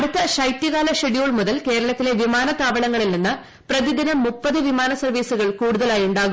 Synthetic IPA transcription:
ɐɽut̪ːɐʂɐjtːiɣaːlɐʂeɽijoːɭmuðɐlke̞ːɾɐɭɐt̪ːile̞ʋimaːnɐt̪aːʋɐɭɐŋːɐɭilninːɨ | prɐðid̪inɐmːupːɐðɨʋimaːnɐsɐrʋiːsuɣɐɭkuːɽuðɐlaːjuɳɖaːɣum

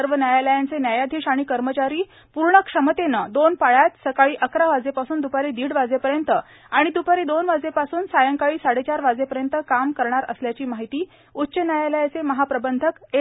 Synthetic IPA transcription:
əɾʋənjajaləjant͡senjajad̪ʱiːɕaɽ̃ikəɾmət͡ɕaɾiː | puɾɳəkʂəmət̪enad̪onpaɭjat̪səkaɭiːʔəkɾaʋad͡zepasuːnd̪upaɾiːd̪iːɽʋad͡zepəɾjənt̪ə | aɽ̃id̪upaɾiːd̪onʋad͡zepasuːnsajəŋkaɭiːsaɽet͡ɕaɾʋad͡zepəɾjənt̪əkamkəɾɳaɾə̰sljat͡ɕiːmaɦit̪iː | utːɕənjajaləjat͡seməɦapɾəbənd̪ʱəke

